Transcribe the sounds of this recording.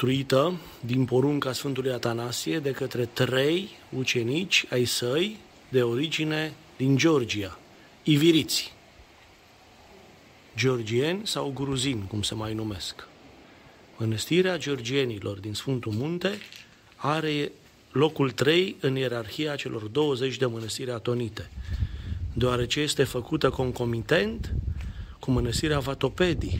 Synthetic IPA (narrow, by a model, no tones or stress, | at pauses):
t̪ɾuit̪ə | d̪inpo̞ɾuŋkasfɨnt̪ulujat̪anasie̞d̪e̞kət̪ɾe̞t̪ɾe̞jut͡ʃe̞nit͡ʃʲajsəj | d̪e̞o̞ɾid͡ʒine̞ | d̪ind͡ʒeo̞rd͡ʒia | iviɾit̪sʲ | d͡ʒeo̞rd͡ʒie̞nʲsawɡɾuzinʲkumsemajnume̞sk | mənəst̪iɾead͡ʒeo̞rd͡ʒie̞nilʔo̞rd̪insfunt̪umunt̪e̞ | aɾe̞ | lo̞kult̪ɾe̞jɨnje̞ɾarxijat͡ʃe̞lʔo̞rd̪o̞wəze̞t͡ʃʲd̪e̞mənəst̪iɾʲat̪o̞nit̪e̞ | d̪eoaɾe̞t͡ʃe̞je̞st̪e̞fəkut̪əko̞ŋko̞mit̪e̞nt̪ | kumənəst̪iɾeavat̪o̞pe̞d̪i